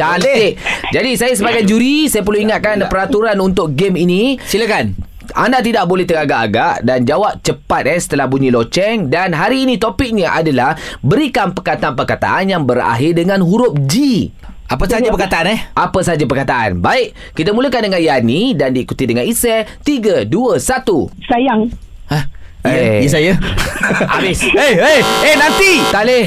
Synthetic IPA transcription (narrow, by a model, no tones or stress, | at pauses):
t͡ʃalɪʔd͡ʒadisajas̬əbaɡajd͡ʒuɾisajap̬ərluiŋat̪̚kanpəɾat̪uɾanunt̪ʊk̚ɡeminĩsiləkan | a̰ndat̪̬idaʔbolɛht̪əɡaɡaʔaɡaʔdand͡ʒawap̚t͡ʃəpat̪̚ɛsə̥t̪əlahbuɲĩlot͡ʃɛŋdanɦaɾiːnĩt̪opɪk̚ɲaʔadalahbəɾikanpəkat̪aanpərkat̪a̰ʔanjaŋbəɾa̰ɦɪrdəŋãnɦuɾʊp̚d͡ʒi | ʔapəsad͡ʒapəkat̪aanahʔapəs̬ad͡ʒapərkat̪aʔa̰nbaɪʔ | kit̪amuləkandəŋanjanĩdandiːkut̪idəŋanisɛt̪iɡəduəsat̪usajaŋ | ah | jəsaja | abɪseeenãnt̪it̪alɪh